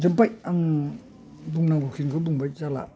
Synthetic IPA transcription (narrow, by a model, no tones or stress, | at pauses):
zmpajaŋ | buŋnaŋbɔkʰinkʰɯbuŋbajzala̰